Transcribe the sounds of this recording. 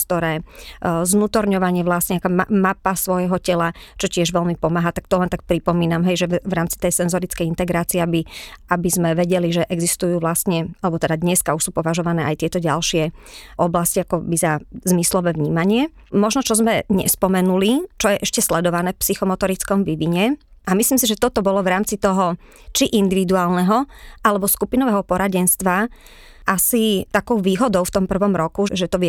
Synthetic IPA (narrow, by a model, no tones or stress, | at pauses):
t̪ɔɾɛːznuːt̪ɔɾɲɔʋaɲɪɛʋlasɲɛakammapasʋɔjɦɔcɛlat͡ʃɔcɪɛʒʋɛlmipɔmaːɦat̪ak̚t̪ɔlɛnt̪ak̚pɾipɔmiːnamɦɛjʒɛvɾaːmt͡si̥t̪ɛjsɛnzɔɾit͡skɛjint̪ɛɡɾaːt͡siɛabiabizmɛʋɛɟɛliʒɛʔɛɡzist̪ujuːʋlast̪ɲɛalɛbɔt̪ɛd̪ad̪ɲɛskauʃsuːpɔʋaʒɔʋanɛːʔajt̪ɪɛt̪ɔɟa̰lʃɪɛʔɔblasciakɔbizazmislɔʋɛːʋɲiːmaɲɪɛ | mɔʒnɔt͡ʃɔzmɛɲɛ̰spɔmɛnulit͡ʃɔjɛʔɛʃcɛslɛd̪ɔʋanɛːfpsixɔmɔt̪ɔɾit͡skɔmʋiʋiɲɛ | ʔamisliːmsiʒɛt̪ɔt̪ɔbɔlɔʋɾaːmt͡sit̪ɔɦɔ | t͡ʃiʔind̪iʋid̪uaːlˠnɛɦɔʔalɛbɔskupinɔʋɛɦɔpɔɾaɟɛnst̪ʋa | ʔasit̪akɔʊʋiːɦɔd̪ɔʊft̪ɔmpr̩ʋɔmɾɔkuʒɛt̪ɔʋ